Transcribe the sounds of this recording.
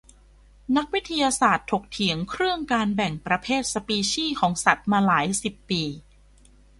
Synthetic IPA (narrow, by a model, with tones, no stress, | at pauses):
na˦˥k̚wi˦˥t̪ʰːa˧jaː˧saː˨˩t̪ʰo˨˩k̚t̪ʰi˩˦əŋkʰɾɯ˥˩əŋkaː˧nbɛ˨˩ŋpɾa˧pʰeː˥˩t̪̚sa˧piː˧ɕiː˥˩kʰɔː˩˦ŋsa˨˩t̪̚maː˧laː˩˦jsi˨˩pːiː˧